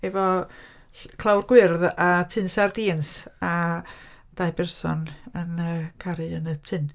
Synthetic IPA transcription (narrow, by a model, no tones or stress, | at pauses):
ɛvɔ | kʰlˠawrɡwɪrðatʰɪnsardiːnsa | d̥ajbɛrsɔ̰nənəkʰaɾɨənətʰɪn